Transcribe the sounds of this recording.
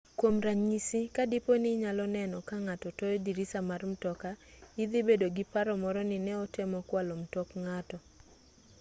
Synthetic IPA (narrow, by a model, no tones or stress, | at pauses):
kwomɾaɲisikadiponɪɲalɔnɛnɔkaŋatɔtɔjɔdiɾisamarm̩tɔkaid̪ibedoɡipaɾɔmɔɾɔnɪnɛɔtemɔkwalom̩tɔkŋatɔ